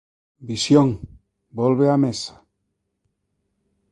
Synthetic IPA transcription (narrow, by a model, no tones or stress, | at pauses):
bisjoŋ | bolβeamesḁ